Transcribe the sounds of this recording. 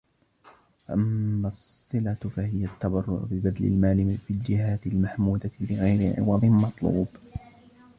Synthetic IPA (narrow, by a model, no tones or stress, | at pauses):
faʔamːasˤːɨlafahɪjat̪ːabɑrˤːʊ̰ʕ̰bɪbad̪lɪ̰lmaːlɪfiːld͡ʒɪɦaːt̪ɪlmaħmuːd̪abɪɣajɾɪʕɪ̰wɑd̪ˤɨnmɑt̪ˤlṵːb